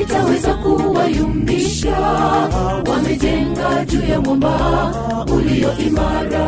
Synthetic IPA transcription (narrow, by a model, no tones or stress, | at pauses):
itawɛzakuwajum̩biʃa | wamɛd͡ʒɛŋɡad͡ʒujamamba | ulijɔʔimaɾa